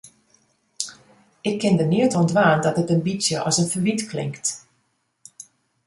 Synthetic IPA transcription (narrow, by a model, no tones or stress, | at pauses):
ɪkʰːɪndəniətɔndʋaːndɔtətənbisjəʔɔ̰sənfəʋitkʰlɪ̰ŋkt